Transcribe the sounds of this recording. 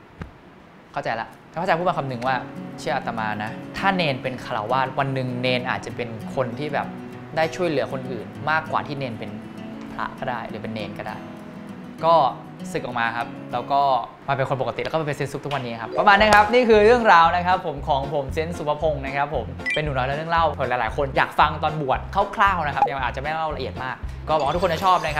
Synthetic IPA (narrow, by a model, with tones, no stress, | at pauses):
kʰa˥˩wt͡ɕa˧jla˦˥ʔʰ | a˧˥pʰa˥˩a˧pʰuː˥˩a˧nkʰa˧mnɯ˨˩ŋwaː˥˩t͡ɕʰi˥˩əʔa˨˩t̪a˧maː˧na˦˥t̪ʰaː˥˩neː˧npe˧nkʰa˧la̰˨˩˦wːaː˥˩t̪̚wa˧nːɯ˨˩ŋneː˧nʔa̰ː˨˩t̪̚t͡ɕa˨˩pe˧nkʰo˧nt̪ʰiː˥˩bɛ̰ː˨˩p̚ | daː˥˩jt͡ɕʰu˥˩əjlɯ˩˦ɐkʰo˧nʔɯː˨˩nmaː˥˩kːwa̰ː˨˩t̪ʰiː˥˩neː˧npe˧n | pʰla̰˦˥ʔkʰɔː˥˩daː˥˩jlɯː˩˦pe˧nːeː˧nkɔ˥˩da̰ː˥˩j | kɔː˥˩ | sɯ˨˩k̚ʔɔː˨˩k̚maː˧kʰa˦˥p̚lɛː˦˥wkɔː˥˩ | ma˧pe˧nkʰo˧npo˨ka˧t̪i˨˩lːkːe˧nse˦˥nsu˦˥t̪ʰkwa˧nːiː˦˥˨a˦˥pːɾa˧maː˧nːa˦˥kʰa˦˥p̚niː˥˩kʰɯː˧ɾɯ˥˩əŋɾaː˧wna˦˥kʰa˦˥pʰːo˩˦mkʰɔː˩˦ŋpʰo˩˦mse˦˥nsu˨˦pʰa˧pʰo˧ŋna˦˥kʰa˦˥pʰːo˩˦mpe˧nːuː˨˩nɔː˦˥jlɛ˦˥˦ɾɯ˥˩əŋla˥˩wʰlːlaː˨˦jkʰo˧njaː˨˩k̚fa˧ŋt̪ɔː˧nbu˨˩ət̪̚kʰa˥˩wkʰlaː˥˩wna˦˥kʰa˦˥p̚ja˧ŋʔaː˨˩t͡ɕa˨ma˥a˥˦la˥˩wɾa˧ʔi˨˩ət̪̚maː˥˩k̚ːɔː˥˩bɔ˨˩kwa˥˩t̪ʰːo˧nda˥˩t͡ɕʰɔː˥˩p̚na˦kʰa˦